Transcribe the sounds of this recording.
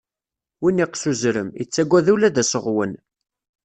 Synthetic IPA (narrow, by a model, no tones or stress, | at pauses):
winiqsuzɾəmḭt͡sːæɡʷːæðulæðæsəʁwən